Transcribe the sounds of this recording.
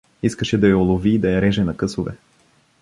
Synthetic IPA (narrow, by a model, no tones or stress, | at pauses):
iskəʃɛd̪ɐjɐolˠoviːd̪ɐjɐɾɛʒɛnɐkɤsovɛ̰